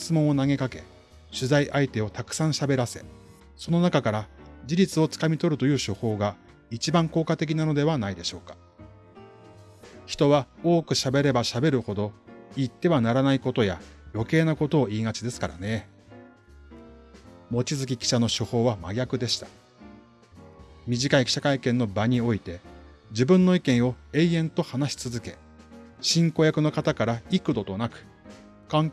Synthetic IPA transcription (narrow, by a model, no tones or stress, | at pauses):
t͡sɨmõ̞ɰ̃onaɡe̞kake̞ | ɕɨzaiʔait̪e̞o̞t̪akɯ̟̥sãɰ̃ɕabe̞ɾase̞ | so̞no̞nakakaɾad͡ʑiɾʲit͡sɨo̞t͡sɨ̥kamʲit̪o̞ɾɯ̟t̪o̞jɯ̟ːɕo̞ho̞ːɡa | it͡ɕibãŋko̞ːkat̪e̞k̬ʲinano̞d̪e̞βanaid̪e̞ɕo̞ːkḁ | çi̥t̪o̞βao̞ːkɯ̟ɕabe̞ɾe̞baɕabe̞ɾɯ̟ho̞d̪o̞it̪ːe̞βanaɾanaiko̞t̪o̞jajo̞ke̞ːnako̞t̪o̞ːiːŋat͡ɕid̪e̞sɨ̥kaɾa̰ne̞ | mo̞t͡ɕizɨkʲikʲi̥ɕano̞ɕoho̞ːβamaɡʲakɯ̟d̪e̞ɕi̥t̪ḁ | mʲiʑikaikʲɕakaikẽ̞nːo̞baɲ̟io̞it̪e̞ | d͡ʑibɯ̟̃nːo̞ikẽ̞ɰ̃o̞e̞iẽ̞nt̪o̞hanaɕi̥t͡sɨzɨke̞ | ɕĩŋko̞jakɯ̟no̞kat̪akaɾaikɯ̟d̪o̞t̪o̞nakɯ̟̥ | kãŋ